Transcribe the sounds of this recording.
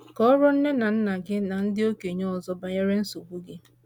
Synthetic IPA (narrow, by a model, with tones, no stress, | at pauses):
kɔ˦ɾɔ˦n̩˦ne˦na˨n̩˦na˨ɡɪ˦na˨n̩˦dɪ˦o˦ke˨ɲɔ˦ɔ˨zɔ˦ba˨ɲe˦ɾe˦n̩˦su˨ɡʷu˦ɡɪ˦